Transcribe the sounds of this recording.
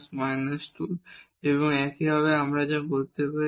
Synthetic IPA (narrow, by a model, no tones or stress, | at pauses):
smajnasʈul | eboŋɛkibʱaβeamɾad͡ʑabolt̪epa